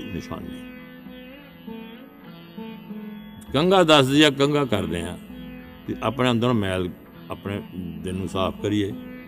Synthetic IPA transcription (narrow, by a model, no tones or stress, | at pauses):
nɪsa̰ːnɡiː | kəŋɡaːd̪əsd̪ɪjãːkəŋɡaːkəɾd̪eːãː | t̪iʔaːpɳẽːə̃nd̪ɾnõːmɛːl | əːpneːd̪eːnũːsaːpʰkəɾijeː